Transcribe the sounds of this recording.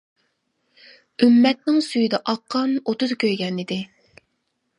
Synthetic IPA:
ymːɛt̪̚nɪŋsyjd̪ɛʔɑqʰːɑnot̪ʊzkʲʰøjɡʲɛnid̪ɪ

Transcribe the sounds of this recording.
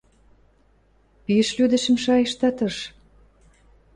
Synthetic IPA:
piəʃlyd̪ə̆ʃə̆mʃɑjə̆ʃt̪ɑt̪ɤʃ

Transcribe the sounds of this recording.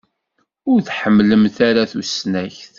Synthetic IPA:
ʊɾθħəmːləmθaɾaθusnæçθ

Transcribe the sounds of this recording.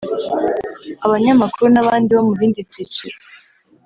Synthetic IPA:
aβaɲamakuɾunaβaːndiβamuβiːndibit͡ʃi

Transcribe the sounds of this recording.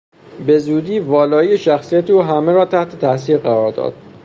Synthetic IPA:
be̞zuːd̪iːvɒːlɒːijeʃæxsijæt̪ʰeuːɦæmeɾɒːt̪ʰæht̪ʰe̞t̪ʰæʔsiːɾɢæɾɒːɾd̪ɒ̰ːd̪̥

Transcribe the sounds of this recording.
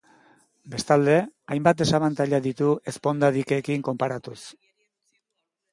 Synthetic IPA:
be̞st̪ald̪e̞ajmbat̪̚d̪e̞saβant̪aʎaðit̪ue̞spo̞nd̪aðike̞kiŋko̞mpaɾat̪us

